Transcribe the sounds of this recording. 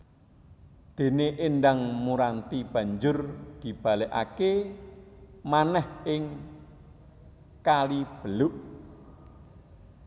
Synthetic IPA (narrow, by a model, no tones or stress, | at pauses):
d̪̥e̤neʔenɖaŋmuɾant̪ib̥ä̤ɲd͡ʒʊrɡ̥i̤b̥a̤leʔa̰ke | manɛhɪŋ | kalib̥əlʊʔ